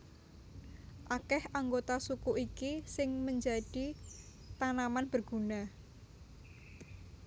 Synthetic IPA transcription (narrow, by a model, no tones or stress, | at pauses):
ʔakɛhʔaŋɡot̪asukuʔikisɪŋməɲd͡ʒa̤ɖ̥i | t̪anamanb̥ərɡ̥ṳna